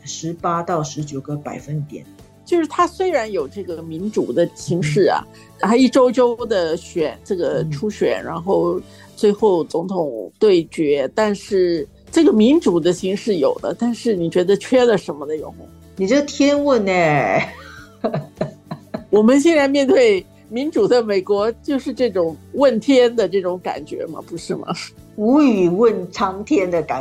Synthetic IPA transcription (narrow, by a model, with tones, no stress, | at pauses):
ʂɻ̩˧˥pa˥t̪ɑ˥˩ʊʂɻ̩˧˥t͡ɕjo˨˩ʊɡə˦pa˨˩ɪfə˥nt̪jɛ̰˨˩˦n | t͡ɕjo˥˧ʊʂɻ̩˥˩t̪ʰa˥swe˥ɪɻa˧˥njo˨˩ʊʈ͡ʂɤ˥˩ɡə˩mi˧˥nʈ͡ʂu˨˩d̪ə˦ɕʰi˧˥ŋʂɻ̩˥˩ɐ̰˩ | a˥˧i˥˩ʈ͡ʂo˥ʊʈ͡ʂo˥ʊd̪ə˨ɕɥɛ˨˩nʈ͡ʂɤ˥˩ɡə˩ʈ͡ʂʰu˥ɕɥɛ̰˨˩˦nɻa˧˥nxo˥˧ʊ | t͡swe˥˧ɪxo˥˩ʊt͡sʊ˧˥ŋt̪ʰʊ˨˩ŋt̪we˥˩ɪt͡ɕɥɛ˧˥t̪a˥˧nʂɻ̩˥˩ | ʈ͡ʂɤ˥˩ɡə˩mi˧˥ŋʈ͡ʂu˨˩d̪ə˦ɕi˧˥ŋʂɻ̩˥˩jo̰˨˩ʊd̪ə̰˦t̪a˥˧nʂɻ̩˥˩ni˨˩t͡ɕɥɛ˧˥d̪ə˧t͡ɕʰɥɛ˥˩lə˨ʂə˧˥nmə˧d̪ə˧jo˧˥ʊ˧˩ | ni˨˩ʈ͡ʂo˥˩t̪ʰjɛ˥nwə˥˧ne˧˩ | wɔ˨˩mə˧˦nɕjɛ˥˧nɻa˧˥nmjɛ˥˧nt̪we˥˩ɪ | mi˧˥nʈ͡ʂu˨˩d̪ə˦me˨˩ɪkwɔ˧˥t͡ɕjo˥˧ʊʂɻ̩˥˧ʈ͡ʂɤ˥˩ʈ͡ʂʊ˨˩ŋwə˥˩nt̪ʰjɛ˥nd̪ə˨ʈ͡ʂɤ˥˩ʈ͡ʂʊ˧˥ŋka̰˨˩nt͡ɕɥɛ̰˧˥mɐ̰˨pu˧˥ʂɻ̩˥˩mɐ̰˩u˧˥y˨˩wə˥˩nʈ͡ʂʰɑ˥ŋt̪ʰjɛ˥nd̪ə˨ka˨˩